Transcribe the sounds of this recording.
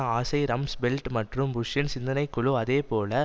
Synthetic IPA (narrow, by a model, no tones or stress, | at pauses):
aːsɐɪɾɐmsbɛlʈmɐʈrɯmbʊʂɪnsɪnd̪ɐnɐɪkːʊɭʊɐðeːpoːlɐ